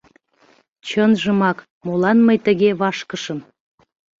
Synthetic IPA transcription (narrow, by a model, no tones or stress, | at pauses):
t͡ɕənʒəmɑk | molɑnməjt̪əɣeβɑʃkəʃəm